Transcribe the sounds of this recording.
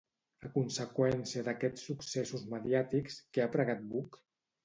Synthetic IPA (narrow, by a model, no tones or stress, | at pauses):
əkunsəkwɛnsiəðəkɛt͡sːuksɛsuzməðiat̪ikskeapɾəɣat̪̚buk